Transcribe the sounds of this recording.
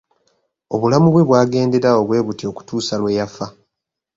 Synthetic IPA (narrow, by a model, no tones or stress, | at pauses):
o̞βulamuβwe̞βwaːɡe̞ːnde̞ɾao̞βwe̞ːβutio̞ku̥tuːsalwe̞ːjafa